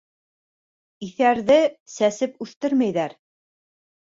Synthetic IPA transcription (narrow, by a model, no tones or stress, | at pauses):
iθæɾðɘsæsɘpʉθt̪ɘɾmæjðæɾ